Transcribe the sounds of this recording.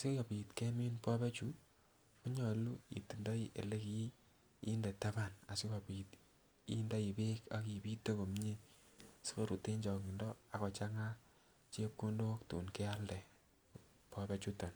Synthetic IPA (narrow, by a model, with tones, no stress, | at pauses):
a˨si˦kka˨pi˨tke˦mi˦npɔ˦bɛ˦t͡ʃu˦ | kʊ˦ɲɔ˨lu˦ḭ˨ti˨ndɔ˦iʔḛ˨le˦ki˦ | i˦nde˨ta˦ba˦˨na˨si˦ka˨pi˨t | ḭ˦nda˦i˨be˦ka˨ki˨bi˦tːo˦ko˨mɲe˦ | si̥˦ko˦ɾu˨te˦ɲd͡ʒɔ˨ki˨ndɔ˦a˨kɔ˨t͡ʃa˦ŋa˦ | t͡ʃe˦kːo˦ndo˦ktṵ˨nke˦a˦ldɛ˨ | pɔ˦bɛ˦t͡ʃu˦tɔ˨n